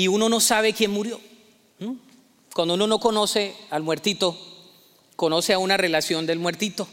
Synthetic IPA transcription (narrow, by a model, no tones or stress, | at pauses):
iuno̞no̞saβe̞kje̞nmuɾjo̞ | kwand̪ouno̞no̞ko̞no̞se̞almwe̞ɾt̪it̪o̞ | ko̞no̞seaunare̞lasjo̞nd̪e̞lmwe̞ɾt̪it̪o̞